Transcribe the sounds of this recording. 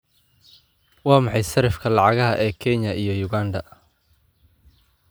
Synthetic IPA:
wɑːmɑħɑjsɐɾɪfkʰɐlɑʕɑɣɐɦɐʔɛːkʰɛɲɐʔijɞjʊɣaːnd̪ɐ

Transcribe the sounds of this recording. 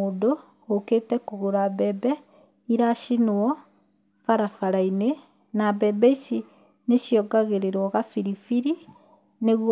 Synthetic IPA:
oːdo | oketɛkoɣoɾabɛbɛ | iɾaʃinɔ | faɾafaɾaine | nabɛbɛisi | neʃjɔɡaɣeɾeɾwɔɣafiɾifiɾi | neɣw

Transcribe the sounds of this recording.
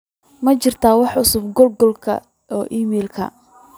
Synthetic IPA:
mɐt͡ʃɪrt̪ʰaːwɑħʊsʊb̚ɡɔlɡɔlkʰɐ̰ | ʔɔːʔiːmɛːlkʰɐ̰

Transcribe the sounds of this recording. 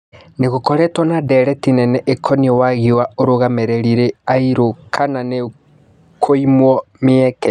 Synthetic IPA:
neɣokɔɾɛtwɔnadɛɾɛtinɛnɛʔekʰɔniɔwaɣiwaoɾoɣamɛɾeɾiɾeaiɾokʰanane | kʰoimwɔmiɛkɛ

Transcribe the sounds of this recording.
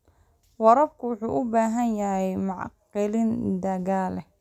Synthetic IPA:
wɑɾɐb̚kʰʊwʊħuːʔʊbaːɦɐnjɐjɛjmɑʕqɪlɪnd̪ɐɣaːlɛ

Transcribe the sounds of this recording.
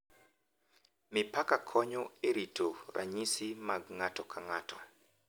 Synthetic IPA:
mɪpakakʰɔɲɔeɾitʰoɾʔa̰ɲisimaɡŋatɔkʰaŋatɔ

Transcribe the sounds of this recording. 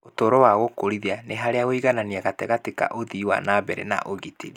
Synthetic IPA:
otoːɾɔwaɣokoɾiðianeɦaɾeaɣoiɣananiaɣatɛɣateka̰ʔoðiwa̰nabɛɾɛ̰na̰ʔoɣiteɾi

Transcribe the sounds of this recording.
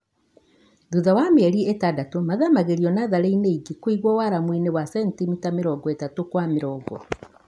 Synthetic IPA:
ðuðawameɛɾiɛtadatomaðamaɣeɾiɔnaðaɾeineiɡikwiɣwɔwaɾamwinewasɛntimitameɾɔɡɔetatokwamɪɾɔːɡɔ̰

